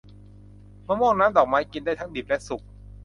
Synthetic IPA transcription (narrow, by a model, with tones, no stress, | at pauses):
mɯ˥˩mɔː˥˩ŋnaː˦˥mdɔː˨˩k̚maː˦˥jki˧ndaː˥˩jt̪ʰa˦˥ŋdi˨˩p̚lɛ˦˥su˨˩k̚